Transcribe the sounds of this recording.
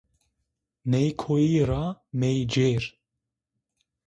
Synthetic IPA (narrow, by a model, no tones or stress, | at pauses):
nɛjkʰojiːɾaːmejd͡ʒeːɾ